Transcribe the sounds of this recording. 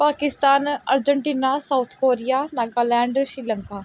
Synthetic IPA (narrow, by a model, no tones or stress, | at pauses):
paːkɪst̪aːnə̰ɾd͡ʒəɳʈiːnaːsaːʊt̪ʰkoːɾijaːnaːɡaːlɛ̃ːɳɖʃɾiːləŋkaː